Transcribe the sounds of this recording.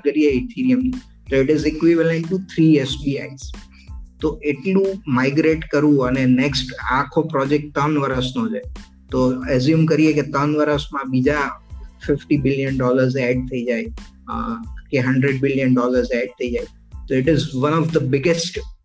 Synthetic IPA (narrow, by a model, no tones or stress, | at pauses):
kəɾieɪt̪ʰiɾijəmni | t̪oɪʈɪzɪkʋɪʋəlẽɳʈut̪ʰɾiesbiaiz̥ | t̪oʔeʈlũmaɪɡɾeʈkəɾũəneneksʈakʰopɾɔd͡ʒek̚ʈ̚t̪ənʋəɾəsnod͡ʒʰa | t̪oezjumkəɾijeket̪ənʋəɾəsmãbid͡ʒafɪfʈibɪljənɖɔləɾzeɖ̚t̪ʰəid͡ʒaj | keɦə̃ɳɖɾeɖ̚bɪljənɖɔləɾzeɖ̚t̪ʰəid͡ʒaj | t̪oɪʈɪzʋənɔʋd̪əbɪɡesʈ